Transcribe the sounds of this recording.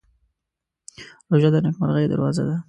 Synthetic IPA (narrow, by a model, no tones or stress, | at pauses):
ɾoʒad̪ənakma̰ɾɣajed̪aɾwɑza̰d̪a